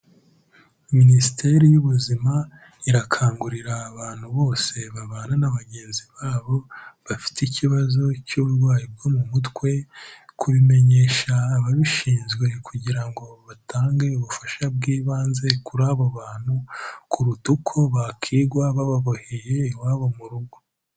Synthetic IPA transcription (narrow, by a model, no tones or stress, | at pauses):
minisite̞ɾijuβuzima | iɾakʰaːŋɡuɾiɾaːβaːn̥huβo̞ːse̞βaβaːnanaβaɟe̞ːnziβaːβo̞βafi̥ticiβazo̞cuβuɾɡwaːjib̚ɡomumutkwe̞kʰuβime̞ɲe̞ːʃaːβaβiʃiːnzɡwe̞kʰuɟiɾaŋɡo̞βataːŋɡe̞uβufaʃabɡiːβaːnze̞kuɾaːβoβaːn̥hukʰuɾutukʰo̞βakʰiːɡwaβaβaβoheje̞waːβo̞muɾuɡo̞